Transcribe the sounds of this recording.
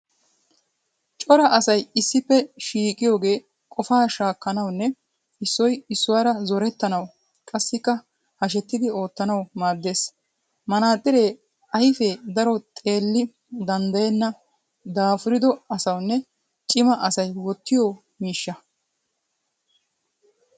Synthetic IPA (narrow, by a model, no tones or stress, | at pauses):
t͡ʃʼɔɾɐʔɐsɐjɪsːɪpːɛʃiːkʼɪjo̞ːɡe̞ː | kʼɔfaːʃaːkːɐnɐwnːɛ | ɪsːɔjɪsːʊwaːɾɐzɔɾɛt̪ːɐnɐw | kʼɐsːɪkːɐ | hɐʃ̬ɛt̪ːɪd̪ɪo̞ːt̪ːɐnɐwmaːd̪ːe̞ːs | mɐnaːt̪ʼːɪɾe̞ː | ɐjɪfed̪ɐɾɔt̪ʼe̞ːlːɪ | d̪ɐnd̪ɐjɛnːɐ | d̪aːfʊɾɪd̪ɔɐsɐwnːɛ | t͡ʃʼɪmɐʔɐsɐjwɔt̪ːɪjɔ | miːʃːɐ